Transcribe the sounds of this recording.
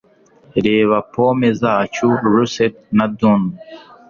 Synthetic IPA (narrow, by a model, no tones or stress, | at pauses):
ɾeːwapʰoːmezat͡ɕuɾuset̪̚nad̪un